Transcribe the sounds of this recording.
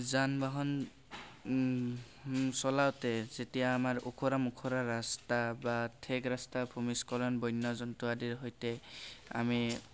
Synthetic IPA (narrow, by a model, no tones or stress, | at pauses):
zanbaɦɔn | sɔlawtɛzetijaːmaɹokʰoɾamukʰoɾaɹastabatʰeɡɹastabʰʱumiskɔlɔnbɔjnːɔzɔntuadiɹɦɔjtɛa̰mi